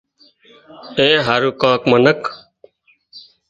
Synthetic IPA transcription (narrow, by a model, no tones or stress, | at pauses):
ẽːɦaːɾuːkãːkmənək